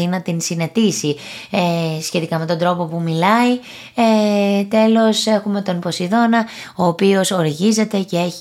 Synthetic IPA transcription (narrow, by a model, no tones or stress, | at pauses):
inɐt̪insine̞t̪isi | esçe̞t̪ikɐme̞t̪o̞nd̪ɾo̞po̞pumilɐi | et̪e̞lo̞se̞xume̞t̪o̞npo̞siðo̞nɐ | o̞ːpio̞so̞ɾiʝize̞t̪e̞ce̞e̞ç